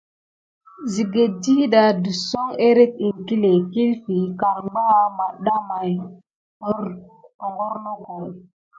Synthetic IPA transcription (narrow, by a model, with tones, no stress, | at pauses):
zi˨ɡe˨di˦ɗa˨du˨so˦ŋe˦ɾe˦t̚i˨ŋki˦le˨ki˦lfi˨ka˨ɾɡ͡ba˦ma˨ɗa˦ma˨j | o˦ɾ | o˨ŋɡo˦ɾno˦ko˨